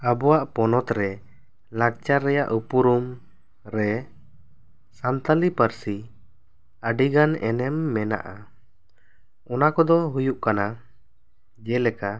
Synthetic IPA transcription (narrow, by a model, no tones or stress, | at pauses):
abɔwaʔpɔnɔt̪ɾɛ | lak̚t͡ʃaɾːɛja̰ʔupuɾum | ɾɛ | sant̪alipəɾsi | əɖiɡanɛ̰nɛmːɛna̰ʔa | ɔnakɔd̪ɔɦujuʔkana | d͡ʒɛlɛka